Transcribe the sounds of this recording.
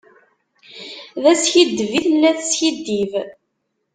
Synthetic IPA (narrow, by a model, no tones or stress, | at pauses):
ðæsçid̪ːviθəlːæθsçid̪ːiv